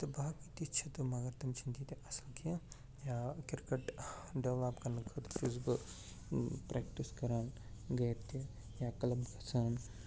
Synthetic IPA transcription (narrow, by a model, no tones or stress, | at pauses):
t̪ɐbakit̪it͡ʃʰɐt̪umaɡɐɾt̪ɐmt͡ʃʰint̪it̪iʔɐsɐlkʰijɐ̃ | jaːkiɾkɐʈɖɐʋaːbkɐnɐkʰɐt̪t͡ʃusbɨ | pɾʔek̚ʈiskɐɾaːnɡɐjt̪i | jaːkɐlɐmkʰɐsaːn